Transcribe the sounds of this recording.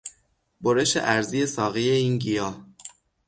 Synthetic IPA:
boɾe̞ʃḛʔæɾzije̞sɒːɣijeiːnɟijɒː

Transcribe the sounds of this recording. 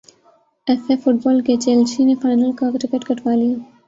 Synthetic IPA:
efefʊʈ̚bɔlket͡ʃelt͡ʃinefaːjnəlkakɾɪkeʈkɐʈwaːli

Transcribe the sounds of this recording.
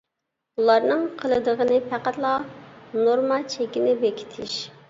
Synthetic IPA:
ulˠɑɾnɨŋqʰəlˠɨd̪əʁənɨpʰæqæt̪lˠɑnoɾmɑt͡ʃʰɛkʲinɪbekʲʰi̥t̪ʰɪʃ

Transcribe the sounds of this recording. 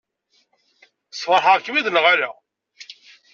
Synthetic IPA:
svəɾˤħaʁkːəmiðləʁaɾa

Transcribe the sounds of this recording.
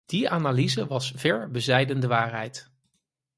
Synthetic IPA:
d̥iaːnaːlizəʋɑsv̥ɛɹbəzɛjdəndəʋaːɹɦɛjt

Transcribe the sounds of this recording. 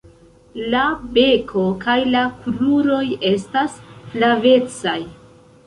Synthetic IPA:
labe̞kʰo̞kajlapɾuɾo̞je̞stasflave̞t͡saj

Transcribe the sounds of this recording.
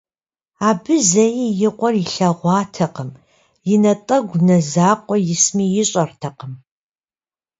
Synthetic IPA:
aːbɨzɐjijɪqʷʼɔriɬɐʁʷɑːtʰɐqəm | jɪnɐtʼɐɡʷnɐzaːqʷɔjɪsmiːjɪɕʼɐrtʰɐqəm

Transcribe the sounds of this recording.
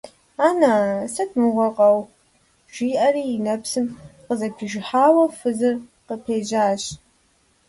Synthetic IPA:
aːnasɐtʰmɨʁʷɐqʼɐw | ʒ̥ʷiːʔɐriːnɐpsɨmqəzɐpʰiʒɪħaːwɐfɨzɨrqəpʰeːʒaːɕ

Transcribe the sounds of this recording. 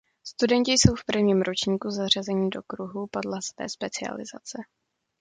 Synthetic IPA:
st̪udɛɲcɪjso̞wfpr̩vɲiːmɾo̞t͡ʃɲiːkuzar̝azɛɲidokɾuɦupadlasvɛ̰ːspɛt͡sɪa̰lɪ̰za̰t͡sɛ

